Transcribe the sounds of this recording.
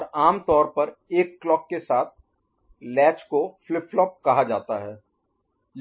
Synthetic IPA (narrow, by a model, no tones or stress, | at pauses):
ɾaːmt̪ɔːɾpɐɾeːkːlɔːkːesaːt̪̚ʰ | lɛːt͡ʃkoflɪpʰːlɔp̚kɐɦad͡ʒaːt̪aɦɛː